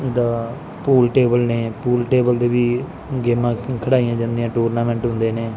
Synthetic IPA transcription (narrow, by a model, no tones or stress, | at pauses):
d̪aː | puːlʈeːbəlneːpuːlʈeːbəld̪eːʋiː | ɡeːmãːkʰəɽaːijãːd͡ʒãːnd̪ijãːʈuːɾnaːmɛ̃ːɳʈɦʊ̃nd̪eːneː